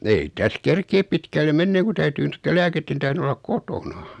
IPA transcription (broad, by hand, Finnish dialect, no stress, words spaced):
ei tæs kerkeːp pitkælːe menːeːŋ̆ ku tæytyː notːel læːketːen tæhren olːɑk̆ kotonɑ